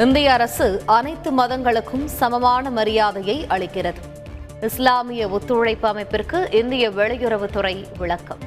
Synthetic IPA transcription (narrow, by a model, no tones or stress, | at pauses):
ɪnd̪ɪjɐːɾɐsɯʔɐnɐɪt̪ːɯmɐðɐŋɡɐɭɯkːɯmsɐmɐmaːnɐmɐɾɪjaːðɐjɐɪʔɐɭɪkːɪrɐðɯ | ɪslaːmɪjɐʊt̪ːɯɻɐɪpːɯɐmɐɪpːɪrkɯʔɪnd̪ɪjɐʋɛɭɐjʊɾɐʋɯt̪ʊrɐɪʋɪɭɐkːɐm